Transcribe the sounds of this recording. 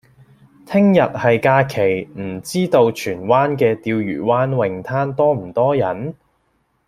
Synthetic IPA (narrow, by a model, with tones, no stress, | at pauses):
t̪ʰɪ˥ŋjɐ˨t̚hɐ˨jkaː˧kʰe˨˩jm̩˨˩t͡siː˥t̪o˧wt͡ʃʰyː˨˩nwaː˥nkɛː˧t̪iː˧wjy̰ː˨˩waː˥nwɪ˨ŋt̪ʰaː˥nt̪ɔː˥m̩˨˩t̪ɔː˥jɐ˨˥n